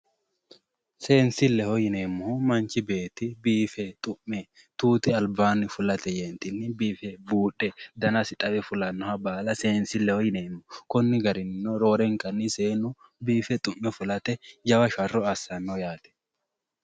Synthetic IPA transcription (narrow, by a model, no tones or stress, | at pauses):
seːnsɪlːɛhɔjɪne̞ːmːʊhmɐnt͡ʃɪbe̞ːt̪ɪbiːfɛt̪ʼʊmːɛ | t̪uːt̪ɪɐlbaːnːɪfʊlɐt̪ɛjɛːnt̪ɪnːɪbiːfɛbuːᶑɛd̪ɐnɐsɪt̪ʼɐbɛfʊlɐnːɔhɐbaːlɐse̞ːnsɪlːɛhɔjɪneːmːʊkɔnːɪɡɐɾɪnːɔɾo̞ːɾɛŋkʼɐnːɪseːnːʊ | biːfɛt̪ʼʊmːɛfʊlɐt̪ɛd͡ʒɐwɐʃɐrːɔɐsɐnːɔjaːt̪ɛ̥